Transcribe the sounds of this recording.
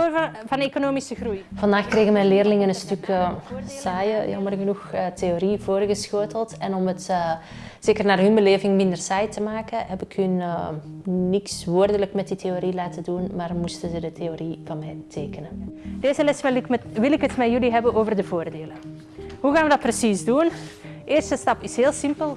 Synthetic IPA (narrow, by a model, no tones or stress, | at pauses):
vɑnekonoːmisəxrujv̥ɑndaːxkreːɣənmɛjnlɪːrlɪŋənənstʏkː | saːjəjɑ̰mərɣənuxtʰeoɾivoːrɣəsxoːtəlˠtɛnɔmətː | seːkərnaːrɦynbəleːvɪŋmɪndərsaːjtəmaːkəɦɛpɪkhyn | nɪksʋoːrdələkmɛt̚ditʰeoɾilaːtədunmaːrmustəzədətʰeorivɑnmɛjtʰeːkənəd̥eːzəlɛsʋɪlɪkɦətmɛjyliɦɛbənoːvərdəvoːrdeːlə | ɦuɣaːnʋədɑt̚prəsizdun | ɪːrstəstɑpɪsheːlˠsɪmpəlˠ